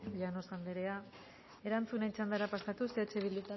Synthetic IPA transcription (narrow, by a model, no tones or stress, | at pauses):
ʎanosand̪eɾe̞a | e̞ɾant͡sunet͡sand̪aɾapasat̪useːt͡ʃeβild̪ut̪a